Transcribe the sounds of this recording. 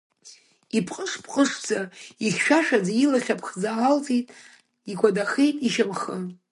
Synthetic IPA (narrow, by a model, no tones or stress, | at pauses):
ipʰʼqʼəʂpʰʼqʼəʂd͡zaiχʲʃᶣaʃᶣad͡zailaχʲapʰχd͡zaalt͡sʼejtʼ | iɡʷʰʼadaχejtʼiʃamχə